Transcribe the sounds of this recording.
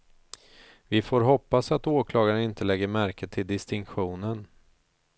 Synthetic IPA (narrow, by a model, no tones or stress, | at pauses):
vɪfoːɾɦɔpːasat̪oːkʰlɑːɡaɾənɪnt̪əlɛɡːəɾmæɾkət̪ʰːɪld̪ɪst̪ɪŋkɧuːnən